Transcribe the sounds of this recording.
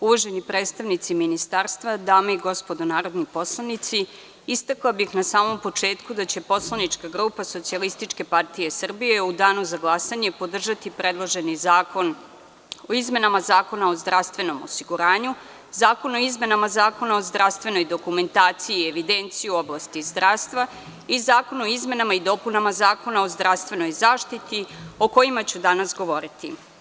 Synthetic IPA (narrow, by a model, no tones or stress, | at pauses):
uʋoʒe̞nipɾeːt̪st̪aʋnit̪siminist̪aːɾst̪ʋad̪aːmaiɡo̞spo̞d̪onaːɾo̞d̪nipo̞slˠanit̪si | ist̪aklabixnasaːmo̞mpo̞t͡ʂe̞ːt̪kud̪at͡ɕe̞po̞slˠanit͡ʂkaɡɾupaso̞t̪sialist̪it͡ʂke̞part̪ije̞sr̩bijeud̪aːnuzaɡlˠasaɲe̞po̞d̪r̩ʒat̪ipɾe̞d̪lˠoʒe̞nizaːkon | oizme̞namazaːko̞nao̞zd̪ɾafst̪ʋe̞no̞mo̰siɡuɾaːɲu | zaːko̞no̞izme̞namazaːko̞naozd̪ɾafst̪ʋe̞no̞jd̪o̞kume̞nt̪aːt̪sijieʋid̪ent̪sijuo̞blˠast̪izd̪ɾaʋst̪ʋa | izaːko̞noizme̞namaid̪o̞punamazaːko̞nao̞zd̪ɾaʋst̪vʋe̞no̞jzaːʃt̪it̪ioko̞jimat͡ɕud̪anasɡo̞ʋo̞ɾit̪ḭ